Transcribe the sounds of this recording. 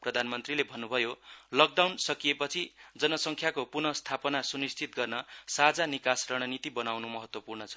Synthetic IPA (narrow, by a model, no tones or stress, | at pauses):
prʌd̪ʱanmʌnt̪rilebʱʌnːubʱʌjolʌk̚ɖawnsʌkijepʌt͡sʰid͡zʌnʌsʌŋkʰjakopurnʌst̪ʰapʌnasunist̪ʰit̪̚ɡʌrnʌsad͡zanikasrʌɽ̃ʌnit̪ibʌnawnumʌɦʌt̪wʌpurnʌt͡sʰʌ̥